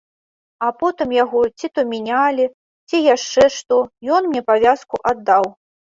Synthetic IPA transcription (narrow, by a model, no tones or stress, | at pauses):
apɔt̪ɨmjaɣɔt͡sʲit̪ɔmʲinʲalʲi | t͡sʲijaʂt͡ʂɛʂt̪ɔjɔnmnʲɛpavʲaskuʔad̪ːaw